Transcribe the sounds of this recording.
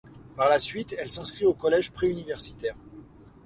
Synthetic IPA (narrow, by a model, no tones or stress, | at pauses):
paʁlasɥit̪ɛlsɛ̃skχiokɔlɛʒpχeynivɛʁsi̥t̪ɛːʁ